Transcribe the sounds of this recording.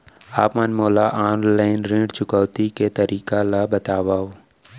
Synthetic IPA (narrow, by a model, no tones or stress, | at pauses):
aːpmənmɔːlaʔaːnlaːɪnɾẽːɖt͡ʃʊkəːt̪iket̪ɐɾʔiːkalabət̪aːwao